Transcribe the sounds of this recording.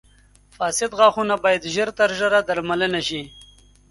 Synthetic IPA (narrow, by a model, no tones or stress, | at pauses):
fɑːsɪd̪ɣɑːxunabɑːjad̪ʒəɾt̪aɾʒaɾad̪aɾmalənaʃi